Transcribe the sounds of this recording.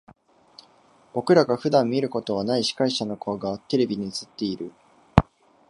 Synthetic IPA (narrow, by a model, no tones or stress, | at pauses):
b̥o̞kɯ̟ɾaɡaɸɯ̟d̪ãmːʲiɾɯ̟ko̞t̪o̞β̞anaiɕi̥kaiɕano̞kʰoɡat̪e̞ɾe̞bʲiɲ̟it͡sɨ̥t̪ːe̞iɾɯ̟